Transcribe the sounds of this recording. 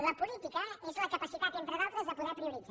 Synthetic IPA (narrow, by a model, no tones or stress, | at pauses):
ðɐpulˠit̪ikɐɛsuɐkɐpɐsit̪at̪ẽnt̪ɾɐðalˠt̪ɾɐzɐpuðɛɾpɾiuɾiza